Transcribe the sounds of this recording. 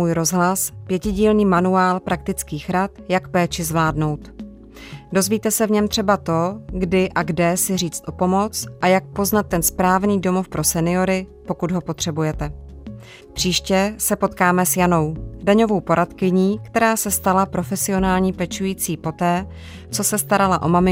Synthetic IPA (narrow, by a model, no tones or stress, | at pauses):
uːjɾo̞zɦlaspjɛcɪɟiːlniːmanuaːlpɾak̚t̪ɪt͡skiːxɾat̪jakpɛːt͡ʃɪzvlaːdno̞wt̪ | do̞zviːt̪ɛsɛvɲɛmt̪r̝̥ɛbat̪o̞ɡdɪʔaɡdɛsɪriːt͡st̪ʔo̞po̞mo̞t͡sʔajak̚po̞znat̪̚ːɛnspɾaːvniːdo̞mo̞fpɾo̞sɛnɪo̞ɾɪpo̞kud̪ɦo̞po̞t̪r̝̥ɛbujɛt̪ɛ | pr̝̥iːʃcɛsɛpo̞t̪kaːmɛsjano̞wdaɲo̞vo̞wpo̞ɾat̪kɪɲiːkt̪ɛɾaːsɛst̪alapɾo̞fɛsɪo̞naːlɲiːpɛt͡ʃujiːt͡siːpo̞t̪ɛː | t͡so̞sɛst̪aɾalaʔo̞mamɪ